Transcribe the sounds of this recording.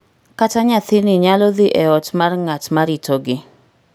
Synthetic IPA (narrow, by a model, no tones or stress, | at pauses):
kataɲat̪inɪɲalɔðɪʔɛɔtmarŋatmaɾitoɡɪ